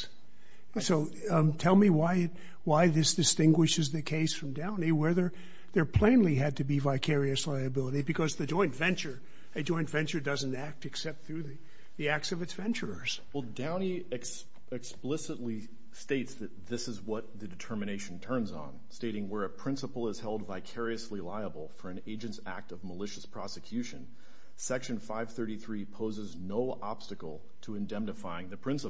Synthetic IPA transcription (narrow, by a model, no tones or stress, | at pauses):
soʊ | tʰɛlˠmiwaɪɨt̚ | waɪðɪsd̥ɨstɪ̃ŋɡwɨʃɨzðɨkʰeɪsfɹʌ̃mdãʊ̃niwɛðə˞ | ðə˞pʰl̥ẽɪ̃nliɨd̚tɨbivaɪkʰɛɹiɨslaɪɨbɪlˠəɾibɨkʰʌzðɨd͡ʒɔ̃ɪ̃ntvɛ̃nt͡ʃə˞ | ɨd͡ʒɔ̃ɪ̃ntvɛ̃nt͡ʃə˞dʌzn̩tæk̚tɨksɛp̚t̪̚θɹʉði | ðiæk̚tsʌvɨtsv̥ɛ̃nt͡ʃə˞ə˞z̥wɛlˠdãʊ̃ni | ɨk | ɨksplɪsətˡli | steɪtsðɨt̪̚ðɪsɨzwʌt̪̚ðɨdɨtʰɜ˞mɨɾ̃eɪʃn̩tʰɜ̃˞nzn̩steɪɾɪ̃ŋwə˞ɨpʰɹ̥ɪ̃nsəpl̩ˠəz̥hɛlˠdvaɪkʰɛɹiɨslilaɪəbl̩ˠfə˞ɨ̃neɪd͡ʒɨ̃ntsæ̰k̚tʌvməlɪʃɨspʰɹ̥ɑsɨkʰj̥ʉʃɨ̃n | sɛkʃɨ̃nfaɪv̥θɜ˞ɾiθɹipʰoʊzɨznoʊʔɑ̰b̥stɨkl̩ˠ | tʰəɨ̃ndɛ̃mnɨfaɪɪ̃ŋðɨpʰɹ̥ɪ̃nsə